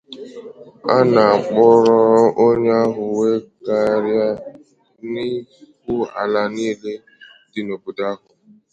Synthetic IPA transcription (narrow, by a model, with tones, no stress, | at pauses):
a˦na˨a˨k͡pʊ˦ɾɔ˦ɾʔo˦ɲ˦a˦ɦʊ˨we˦ɡa˨ɾja˦ | ni˦k̚ʷu˦a̰˨la˨niː˦le˦ | dɪ˨no˨bu˨da˦kʊ˨